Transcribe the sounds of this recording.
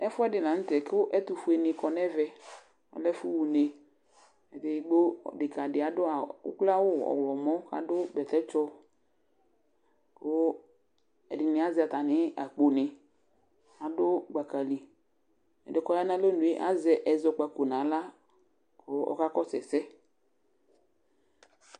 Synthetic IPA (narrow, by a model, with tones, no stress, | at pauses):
ɛ˦fʊ˦ɛ˦dɪ˨nã˨n̩˦t̪ɛ˨kʊ˦ʔɛ˦t̪ʊ˨fu˦e˨nɪ˨kɔ˨nɛ˦vɛ˨ | ɔ̰˨lɛ˦fʊ˦wu˨ne˨ | ɛ˨dɪ˨ɡ͡bo˦˨dɪ˨ka˨dɪ˨a˨dʊ˦a˨ʊ̰˦kla˦wʊ˦ɔ̰˨wlɔ˨mɔ̃˦ka̰˨dʊ˦bɛ˨t̪ɛ˦t͡ʃɔ˦ | kʊ˦ | ɛ̰˨dɪ˨nɪ˨a˨˦zɛ˨a˨t̪a˨nɪ˦a̰˨k͡po˨nɪ˨ | a˨dʊ˦ɡ͡ba˨ka˨li˨ | ɛ̰˨dɪ˨kɔ˦ja˦nã˦lo˦nũ˨e˦ʔa̰˨zɛ˨ʔɛ˨zɔ˨k͡pa˨ko˨nã˨˦la˦ | ko˦ɔ̰˦ka˦kɔ˦sɛ˨sɛ˦